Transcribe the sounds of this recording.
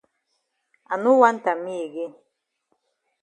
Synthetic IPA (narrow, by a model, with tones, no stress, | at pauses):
a˨nu˦wa˦n̩˦ta˨mi˦e˨ɡe˦